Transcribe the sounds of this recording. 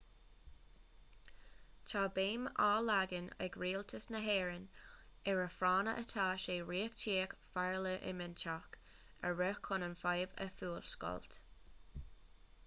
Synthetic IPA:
t͡ʃʰaːbeːmaːlaɡənɛɡɹiːlt̪ʰəsnəɦɛːɹənɛɹəfɾaːnə̰ʔət̪ʰaːʃeːɹiːəkt͡ʃʰiːəkfaɹləʔɪ̰mənt͡ʃʰak | əɹœkʰːɔnənfajvə̰fuːlskɔ̰lt̪

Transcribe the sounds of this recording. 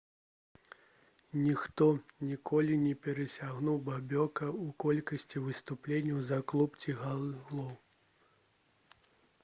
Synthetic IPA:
nʲixt̪ɔnʲikʰɔlʲinʲɛpʲɛɾɐsʲaɣnuwbabʲɔkɐukɔlʲkɐsʲt͡sʲivɨst̪uplʲenʲːɐwzɐklˠupt͡sʲiɣalˠɔw

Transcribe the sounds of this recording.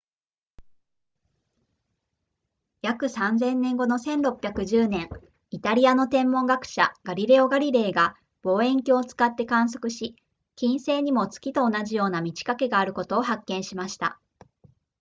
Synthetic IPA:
jakɯ̟sãnd͡zẽ̞nːẽ̞ŋɡo̞no̞sẽ̞nɾo̞pːʲjakɯ̟ʑɨːnẽ̞ŋ | it̪aɾʲiano̞t̪ẽ̞mːõ̞ŋɡakɯ̟̥ɕa̰ɡ̥aɾʲiɾe̞o̞ɡaɾʲiɾe̞ːɡa | b̥o̞ːẽ̞ŋkʲoːt͡sɨ̥kat̪ːe̞kãɰ̃s̬o̞̥kɯ̟ɕi | kʲĩɰ̃se̞ːɲ̟imo̞t͡sɨ̥kʲit̪o̞ːnaʑijo̞ːnamʲit͡ɕi̥kake̞ɡaːɾɯ̟ko̞t̪o̞ːɦakːẽ̞ɰ̃ɕimaɕi̥t̪a̰

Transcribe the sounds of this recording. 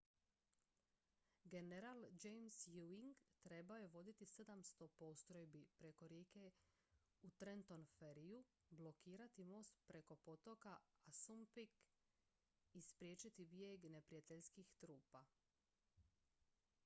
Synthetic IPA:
ɡe̞neɾald͡ʒejmsjuiŋɡt̪ɾe̞baoje̞ʋo̞d̪it̪ise̞d̪amst̪o̞po̞st̪ɾo̞jbipɾe̞ko̞ɾjeːke̞ | ut̪ɾent̪o̞nfeɾiju | blˠo̞kiːɾat̪imo̞ːst̪pɾe̞ko̞po̞t̪o̞kaːsumpik | ispɾjeːt͡ʃit̪ibjeɡne̞pɾijat̪eʎskixt̪ɾuːpa

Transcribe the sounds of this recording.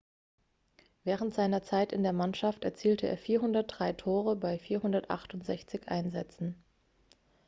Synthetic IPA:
vɛːʁ̞əntz̥aɪnɐt͡saɪtɪndeːɐmanʃaftɛɐt͡siːltʰəʔḛːɐfiːɐɦʊndɐt̚d̥ʁaɪtʰoːʁ̞əbaɪfiːɐhʊndɐtʔa̰χtʊntz̥ɛçt͡sɪçʔa̰ɪnzɛt͡sn̩

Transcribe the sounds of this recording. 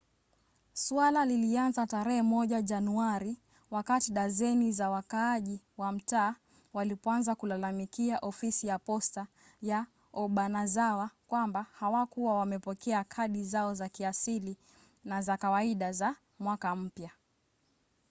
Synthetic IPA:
swalalilianzataɾɛhɛmɔʄaʄanuaɾi | wakatiɗazɛnizawakaːʄi | wam̩taː | walipɔanzakulalamikiaʔɔfisijapɔsta | ja | ɔɓanazawakwambahawakuwawamɛpɔkɛakʰaɗizaɔzakiasili | nazakawaiɗaza | mwakam̩pja

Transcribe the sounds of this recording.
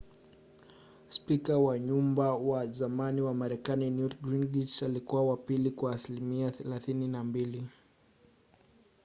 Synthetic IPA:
spikawaɲumbawazamaniwamaɾɛkaninjuθɡɾinɡit͡ʃalikuwawapilikwaːsilimiaθɛlaθininambili

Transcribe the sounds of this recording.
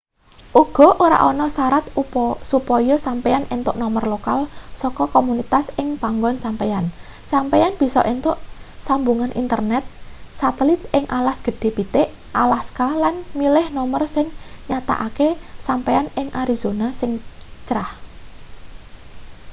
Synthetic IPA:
ʔuɡ̥ɔ̤ʔoɾa̰ʔɔnɔsaɾat̪upɔsupɔjɔsampejanʔent̪ʊʔnɔmərlokalsɔkɔkɔmunit̪asɪŋpaŋɡɔnsampejan | sampejanb̥i̤sɔ̰ʔent̪ʊʔsambuŋanʔḭnt̪ərnɛt̪̚sat̪əlit̪ʔɪŋʔalasɡ̥ə̤ɖ̥e̤pit̪eʔ | ʔalaskalanmilɪhnɔmərsɪŋɲat̪a̰ʔakesampeanɪŋʔaɾiz̥onasɪŋt͡ʃɾah

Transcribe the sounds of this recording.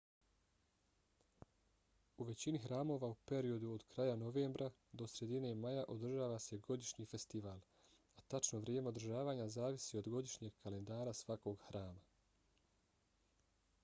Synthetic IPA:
uʋe̞t͡ɕinixɾaːmo̞ːʋaupe̞ɾio̞d̪uod̪kɾaːjanoʋeːmbɾʔa | d̪o̞sɾe̞d̪ine̞majaʔo̞d̪r̩ʒaːʋase̞ɡo̞d̪iʃɲiːfe̞st̪iʋaːl | at̪at͡ʃnoʋɾjeːme̞od̪ɾrʒaːʋaːɲazaːʋisio̞d̪ɡo̞d̪iʃɲe̞ɡ̚kale̞nd̪aːɾasʋako̞ɡxɾaːma

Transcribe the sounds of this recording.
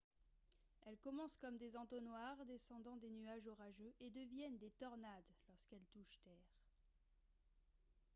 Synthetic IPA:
ɛlkɔmɑ̃skɔmd̪ezɑ̃t̪onwaʁd̪esɑ̃d̪ɑ̃d̪enyaʒɔʁaʒøʔed̪əvjɛnd̪et̪ɔʁnad̪lɔʁskɛlt̪uʃt̪ɛːʁ

